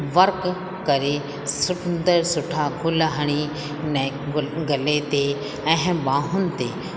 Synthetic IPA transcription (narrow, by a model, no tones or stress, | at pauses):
ʋɐɾk | kɐɾe | sʊʈnd̪əɾsʊʈʰaːkʰʊlaɦɐɽ̃i | n | ɡɐlet̪e | ɛɦɛ̃mbaːɦʊnt̪e